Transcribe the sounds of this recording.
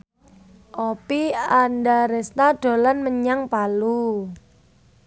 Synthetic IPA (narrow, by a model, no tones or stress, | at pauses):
ʔopiandaɾɛst̪aɖ̥o̤lanməɲaŋpalu